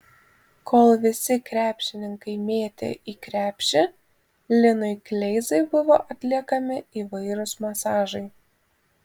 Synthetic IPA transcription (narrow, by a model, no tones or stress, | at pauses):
kʰoːlˠʋʲɪsʲɪkɾʲæːpʲʃʲɪnʲɪŋkɐɪmʲeːt̪ʲḛːʔiːkɾʲæːpʲʃʲɪ | lʲɪnʊɪklʲɛɪzɐɪbʊʋoːʔɐt̪ʲlʲiɛkɐmʲɪiːʋɐɪɾʊsmɐsɑːʒɐɪ